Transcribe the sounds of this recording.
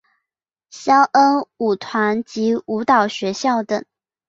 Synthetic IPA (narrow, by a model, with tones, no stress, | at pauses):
ɕjɑ˥ʊʔə˥nu˨˩t̪ʰwa˧˥nt͡ɕi˧˥u˧˥t̪ɑ˨˩ʊɕɥɛ˧˥ɕjɑ˥˩ʊt̪ə˨˩˦ŋ